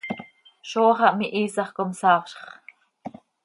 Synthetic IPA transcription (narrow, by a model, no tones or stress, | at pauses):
ʃoːχɑʔmiʔiːsɑχkomsɑːχʃχ